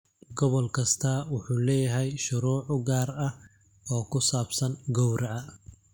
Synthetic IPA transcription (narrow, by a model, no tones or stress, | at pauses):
ɡɔβɔlkʰɐst̪ʰawʊħuːlɛːjɐɦɛjʃʊɾuːʕʊɡaːrɐ | ɔːkʰʊsaːbsɐnɡɔwɾɐɐ